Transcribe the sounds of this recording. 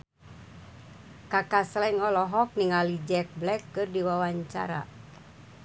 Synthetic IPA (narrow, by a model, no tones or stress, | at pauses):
kakaslɛŋɔlɔɦɔk̚niŋalid͡ʒɛk̚blɛkːɨrdiwawaɲt͡ʃa̰ɾa̰